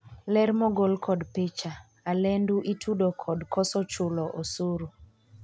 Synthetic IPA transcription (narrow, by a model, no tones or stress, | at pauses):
lɛɾmɔɡolkʰɔdpet͡ʃa | alɛnduʔitʰudokʰɔdkʰɔsɔt͡ʃʊlɔʔosoɾo